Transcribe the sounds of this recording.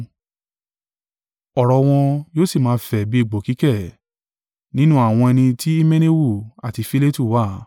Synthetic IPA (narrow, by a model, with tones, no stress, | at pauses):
ɔ˨ɾɔ˨w̃ɔ̃˧joː˦si˦˨mãː˧fɛ˨bi˦i˦˨ɡ͡bo˨ki˨˦kɛ˦˨ | nĩ˦nũ˦a˦˨w̃ɔ̃˧ɛ˧nĩ˧ti˦i˦mẽ˦ne˦wu˦˨a˨ti˨˧fi˦le˦tu˦˨wa˦˨